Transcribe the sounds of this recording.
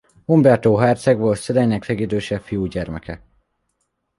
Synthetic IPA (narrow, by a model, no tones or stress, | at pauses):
ombɛrt̪oːɦaːrt̪sɛɡbolt̪sɛd̪ɛjnɛksɛɡid̪øːʃɛfijuɟɛrmɛkɛ